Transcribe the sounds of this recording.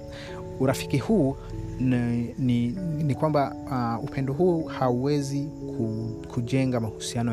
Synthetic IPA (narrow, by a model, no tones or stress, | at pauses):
uɾafi̥kihuː | inikwamba | upʰɛndɔɦuːhauwɛzi | kkʰuʄɛŋɡamahusianɔ